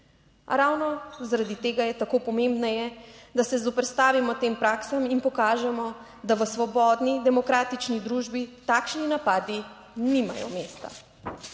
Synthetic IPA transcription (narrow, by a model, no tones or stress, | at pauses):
a̰ɾawnɔzaɾad̪it̪eːɡajɛt̪akoːpɔmembnajɛd̪asɛzɔpɾɛt̪st̪aːʋimɔt̪eːmpɾaːksaminpɔkaːʒɛmɔ | d̪aʋəsʋɔbɔːd̪nid̪ɛmɔkɾaːt̪it͡ʃnid̪ɾuːʒbit̪aːkʃninapaːd̪i | nima̰jɔ̰meːst̪a̰